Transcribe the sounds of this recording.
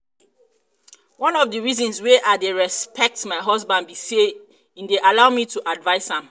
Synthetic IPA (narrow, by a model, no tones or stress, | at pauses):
wɔ̃nɔvdəɹizɔ̃nsweʔaɪdeɹɛspʰɛk̚tmaɪɦɔzbãndbise | ĩndeʔalaʊmitʰuʔadvaɪshãm